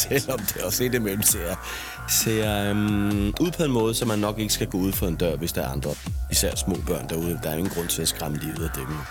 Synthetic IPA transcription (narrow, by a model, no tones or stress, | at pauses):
selɒ̽md̥eɒse̝̰ːd̥emel̰m̩seɐ | se | uð̰ˠpʰɒ̽e̝nmɔ̽ːð̞̩ˠsɒ̽mːænːɒ̽ɡ̥e̝ɡ̥əsɡ̥æɡ̥ɔ̰̽ːuð̞̰ˠfɒ̽e̝nd̥ɶɐ̰ʋe̝sd̥ɑ̈æɐɑ̈nd̥ʁɐisæɐ̰smɔ̰ːb̥ɶɐ̰nd̥ɑ̈uð̞̩ˠd̥ɑ̈ɐe̝ŋn̩ɡ̥ʁɔ̽n̰t͡sʰe̝læsɡ̥ʁɑ̈məlið̰̩ˠɒd̥eɡ̥n